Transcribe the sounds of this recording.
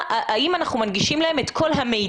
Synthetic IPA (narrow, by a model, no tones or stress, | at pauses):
ʔʔaimanaχnumanɡiʃimlaemet̪kʰo̞lɦamej